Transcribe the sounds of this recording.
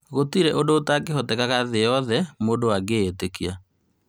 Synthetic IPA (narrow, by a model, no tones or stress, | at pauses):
ɣotiɾɛʔondoːtakeɦɔtɛkaɣaðejɔðɛmoːdowaɡeːtekia